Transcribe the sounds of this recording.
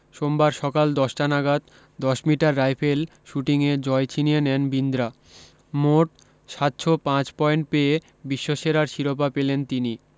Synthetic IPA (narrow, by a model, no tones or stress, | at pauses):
ʃombaɾʃɔkald̪ɔʃʈanaɡat̪ | d̪ɔʃmiʈaɾːajpʰel | ʃuʈiŋed͡ʑɔet͡ɕʰinienɛnbind̪ɾa | moʈ | ʃat̪ːʃʰopãt͡ɕpɔeɳʈ̚pee | biʃːoʃeɾaɾʃiɾop̬apelent̪ini